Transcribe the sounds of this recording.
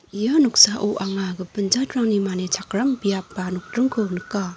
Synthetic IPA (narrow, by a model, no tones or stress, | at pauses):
ijanuk̚saʔuʔaŋaɡɯpɯnd͡ʒatɾaŋnimanet͡ʃʰakɾambijapːanuk̚tɾɯŋkʰɯnɯkːa